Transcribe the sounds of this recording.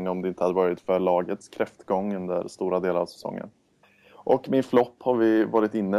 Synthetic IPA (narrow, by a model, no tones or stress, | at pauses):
ŋːɔmd̪ɛɪnt̪əhad̪əvɑːɾɪt̪fœɭɑːɡət̪skʰɾɛft̪ɡɔŋːɵnd̪ə̰ɾst̪uːɾad̪eːlaɾavsɛ̥sɔ̰ŋːə̰n | ʔɔkmɪnflɔpːhaɾvɪvɑːɾɪt̪ɪnːə